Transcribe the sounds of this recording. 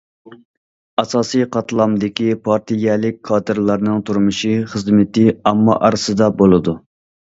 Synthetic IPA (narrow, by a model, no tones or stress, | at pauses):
ɑsɑːsɨjqʰɑt̪ʰlˠɑmd̪ɪkʲipʰɑɾt̪ʰijɛlɪk̚ʲkʰɑːt̪ɨɾlˠɑɾnɨŋt̪ʰuɾmuʃiχəzmɪt̪ɪɑmːɑ̰ʔɑɾɨsɨd̪ɑbolˠɨd̪u